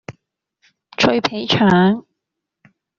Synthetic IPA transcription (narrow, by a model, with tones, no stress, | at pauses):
t͡ʃʰɵ˧ɥpʰe˨˥jt͡ʃʰœː˨˥ŋ